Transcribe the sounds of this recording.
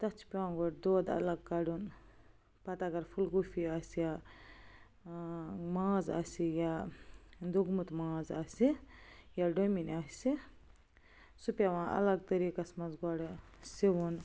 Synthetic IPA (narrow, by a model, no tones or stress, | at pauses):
t̪ɐt͡ʃʰi̥pʲãːɡɔɽd̪oːd̪ɐ̰lɐɡ̚kaɖun | pɐt̪aɡɐɾpʰulɡufiaːsja | mãːza̰sija | d̪uɡmut̪mãːzasijaɖominaːsi | supʲjaʋãːʔɐ̰lɐɡ̚t̪ɐɾiːkɐsmɐzɡɔɽ | siʋun